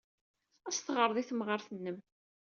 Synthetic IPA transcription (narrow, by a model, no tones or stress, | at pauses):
æst̪ʁəɾˤðˤiθmʁəɾθənːəm